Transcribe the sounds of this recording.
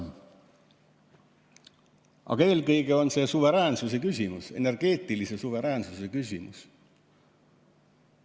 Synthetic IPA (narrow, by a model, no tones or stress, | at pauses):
ʔɑ̰ɡ̥ɑe̞ːlkɤjɡe̞o̞nse̞ːsuve̞ɾæːnsuse̞kysʲimuse̞̰nerɡ̥e̞ːt̪ˑilise̞suve̞ɾæːnsuse̞kysʲimṵs